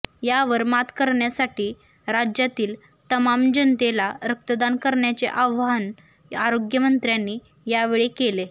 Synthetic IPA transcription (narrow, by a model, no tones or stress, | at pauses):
jaʋəɾmat̪kəɾɳjasaʈiː | ɾad͡ʑjat̪iːl | t̪əmamd͡ʑənt̪elaɾək̚t̪əd̪ankəɾɳjat͡sḛʔaʋan | aɾoɡjəmənt̪ɾjanːiː | jaʋeɭekele